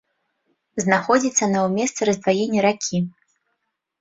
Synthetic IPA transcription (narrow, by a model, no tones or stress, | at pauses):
znaxɔd͡zʲit̪sːɐnɐwmʲɛst̪sɛɾɐzd̪vajenʲːɛɾakʲʰi